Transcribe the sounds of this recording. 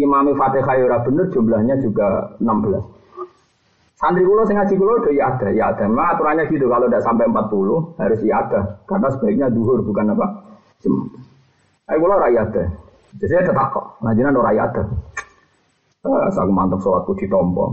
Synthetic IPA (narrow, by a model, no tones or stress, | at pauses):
ʔimamifat̪eɦajuɾabənərd͡ʒumbəlahɲad͡ʒuɡa̰ənambəla̰s | sand̪ɾikulosɛŋat͡ʃikulɔrkəijat̪əija̰t̪əhmemaŋat̪uɾanɲaɡit̪ukalodaʔsampɛəmpat̪̚pulʊhhaɾʊsiat̪əhkarnasəbaik̚ɲaduɦʊrbukanapaʔ | d͡ʒəm | ajkulɔɾaiat̪ə | d͡ʒəsaat̪ət̪akɔ̰ʔŋad͡ʒənandoɾaja̰t̪əh | əsa̰kumant̪əp̚sɔlat̪̚kutit̪ɔmbɔ̰